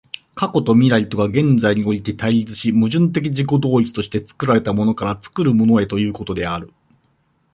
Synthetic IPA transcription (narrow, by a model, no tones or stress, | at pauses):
kako̞t̪o̞mʲiɾait̪o̞ɡaɡẽ̞nd͡zaiɲ̟io̞ɾʲit̪e̞t̪aiɾʲit͡sɨ̥ɕimɯ̟ʑɨ̃nt̪̬e̞k̬ʲiʑiko̞d̪o̞ːit͡sɨ̥t̪o̞ɕi̥t̪e̞t͡sɨ̥kɯ̟ɾaɾe̞t̪amo̞no̞kaɾat͡sɨ̥kɯɾɯ̟mo̞no̞e̞t̪o̞jɯ̟ːko̞t̪o̞d̪e̞aɾɯ̟